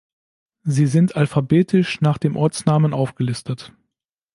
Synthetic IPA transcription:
ziːzɪntʰalfabeːtʰɪʃnaːχd̥eːmʔɔɐt͡snaːmənʔaʊfɡ̥əlɪstət

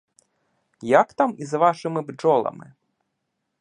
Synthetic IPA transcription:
jakt̪amizvaʂɨmɨbd͡ʐɔlˠɐ̰mɨ̰

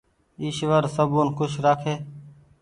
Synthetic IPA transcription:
iːʃʋəɾsəboːnkʊʃɾaːkʰeː

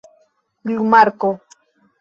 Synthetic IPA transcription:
lʊmaɾko

